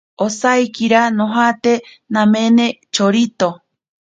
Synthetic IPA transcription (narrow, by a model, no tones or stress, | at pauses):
osajkiɾanõɦat̪e | nãmẽnẽt͡ʃoɾit̪o